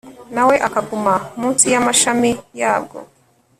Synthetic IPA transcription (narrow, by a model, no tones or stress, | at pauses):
nawe̞ʔakaɡumamuːnsijamaʃamijaːb̚ɡo̰